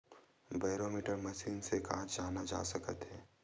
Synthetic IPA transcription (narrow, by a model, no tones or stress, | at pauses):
baːɪɾoːmiːʈəɾmɐʃiːnsekãːt͡ʃd͡ʒaːnad͡ʒa̰ːsɐkət̪ɦɛː